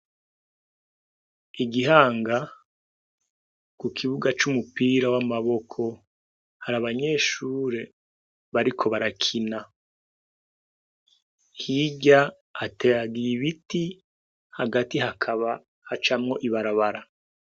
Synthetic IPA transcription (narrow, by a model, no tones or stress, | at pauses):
iɡiɦaːŋɡa | kukʰiβuɡat͡ʃumupiːɾawamaβo̞kʰo̞ | haɾaβaɲe̞ːʃuːɾe̞ | βaɾikʰo̞βaɾakʰina | hiɟaː | teɾaɡiiβiti | haɡatiɦakʰaβa | hat͡ʃamŋo̞ʔiβaɾaβaɾa